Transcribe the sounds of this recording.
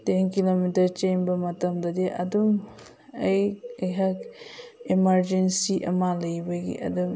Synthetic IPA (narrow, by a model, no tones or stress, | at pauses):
tenkilomitɐɾt͡ʃenbɐmɐtɐmdɐdeʔɐdum | ɐjɐjɦakimɐɾd͡ʒensiʔɐ̰malɐjbɐɡḭʔɐ̰dum